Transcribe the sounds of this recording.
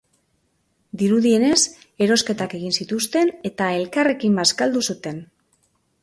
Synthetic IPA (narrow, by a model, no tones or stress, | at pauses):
d̪iɾuðie̞ne̞s | e̞ɾo̞ske̞t̪ake̞ɣ̞insit̪ust̪e̞ne̞t̪ae̞lkare̞kimbaskald̪usut̪e̞n